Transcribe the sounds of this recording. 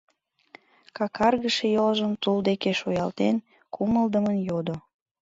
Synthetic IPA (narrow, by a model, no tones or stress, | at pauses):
kɑkʰɑrɣəʃejolʒəmt̪uld̪ekeʃojɑlt̪en | kuməld̪əmənjod̪o